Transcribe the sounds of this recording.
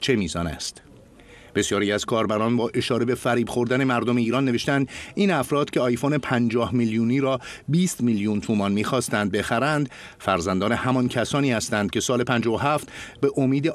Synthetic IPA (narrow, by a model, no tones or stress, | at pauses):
t͡ʃʰe̞miːzɒːnæ̰st̪ | b̥e̞sjɒːɾiːæz̥kʰɒːɾbæɾɒnbɒːʔe̞ʃɒːɾe̞be̞fæɾiːbxo̞ɾd̪æne̞mæɾd̪omeiːɾɒnːe̞ve̞ʃt̪ænd̪iːnæfɾɒːd̪̥cʰeɒjfone̞pʰænd͡ʒɒːhmiljuːniːɾɒː | biːst̪miljunt̪ʰuːmɒnmiːxɒːst̪ænd̪̚be̞xæɾænd̪ | fæɾzænd̪ɒːne̞hæmɒncʰæsɒːniːhæst̪ænd̪̚cʲʰe̞sɒːle̞pʰænd͡ʒɒːvoɦæːft̪be̞ʔomiːd̪e